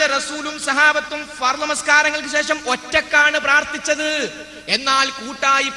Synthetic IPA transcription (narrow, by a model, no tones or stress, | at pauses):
ɐrɐsuːlumsɐɦaːbɐt̪ːumfɐrlɐmɐskaːɾɐŋːɐɭk̬ɨɕe̞ːʂɐmo̞tːɐkːaːɳɨpraːrt̪it͡ɕːɐðɨ | e̞nːaːlkuːʈːaːji